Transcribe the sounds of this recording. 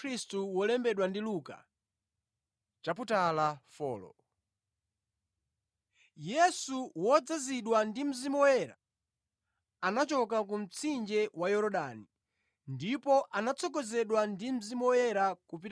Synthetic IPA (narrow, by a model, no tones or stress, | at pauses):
ɾistuwɔlɛmbɛɗwandiluka̰ | t͡ʃaputalafɔ̰ːlɔ̰ | jɛsuwɔd͡zaziɗwandim̩zimɔwɛɾa̰ | anat͡ʃɔk̬ak̬um̩t͡sʰind͡ʒɛwajɔɾɔɗani | ndipɔʔanat͡sʰɔkɔzɛɗwandim̩zimɔwɛɾakup̬i